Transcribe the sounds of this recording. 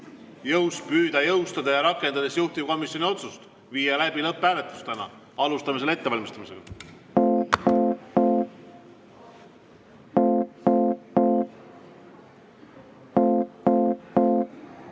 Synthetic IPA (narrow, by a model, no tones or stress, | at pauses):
jɤwspyːd̪̥ɑjɤwst̪ɑd̪̥ɑjɑɾɑkːˑe̞nd̪ɑd̪̥e̞sjuht̪ivko̞misjonʲio̞t̪sust̪ | viːjɑlæb̥ilɤpˑːæːle̞t̪lu̥st̪ænɑ̰ | ɑlust̪ɑmis̬ele̞t̪ːe̞vɑlʲmist̪ɑmise̞ɡ̥ɑ